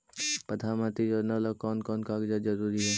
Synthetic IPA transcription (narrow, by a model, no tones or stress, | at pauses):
pɐd̪ʰamãt̪id͡ʒɔɾnalɔkɔːnkɔːnkaːɡd͡ʒad͡ʒɐɾuːɾiɦɛː